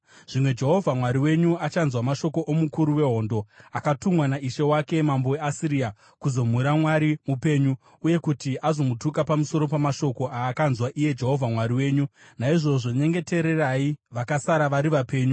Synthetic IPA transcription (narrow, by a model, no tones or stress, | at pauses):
ʐ̥imwe̞d͡ʒe̞ɦo̞vʱamwaɾiwe̞ɲuat͡ʃanzwamaʃo̞ko̞ʔomukuɾuwe̞ɦo̞ːndo̞akatumwanaiʃe̞wake̞mambo̞e̞asiɾia | kuzo̞m̤uɾamwaɾimupe̞ːɲu | uje̞kutiʔazo̞mutukapamuso̞ɾo̞pamaʃo̞ko̞ʔaːkanzwaʔije̞d͡ʒe̞ɦo̞vʱamwaɾiwe̞ːɲunaiʐo̞ʐo̞ɲe̞ŋɡe̞te̞ɾe̞raiʋakasaɾaʋaɾiʋape̞ːɲu